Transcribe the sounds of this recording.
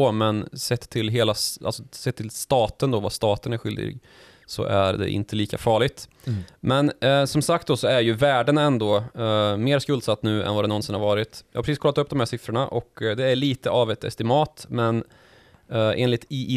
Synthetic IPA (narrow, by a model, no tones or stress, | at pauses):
omɛnsɛt̪ʰːɪlɦeːlasʔa̰lsɔsɛt̪ʰːɪlst̪ɑːt̪ənd̪ovast̪ɑːt̪ənæɾɧʏld̪ɪ̰ɡ | sɔ̰ʔæɾd̪ɛ̰ʔɪ̰nt̪ʰəliːkafɑːɭɪt̪mɛnsɔmsak̚t̪̚d̪ɔsɔæɾjɵvæːɖənɛnd̪oːmeːɾskɵld̪sat̪ːnʉ̟ːɛ̰nvad̪ɛnɔnsɪnhaɾvɑːɾɪt̪jɑːhapɾɛsiːskʰɔlːt̪ɵp̚ːd̪ɔmhæːʂɪfɾʊɳaʔɔkd̪ɛæɭiːt̪əʔavɛt̪ʰɛ̰st̪ɪmɑːt̪mɛn | ʔeːnlɪt̪ɪʔ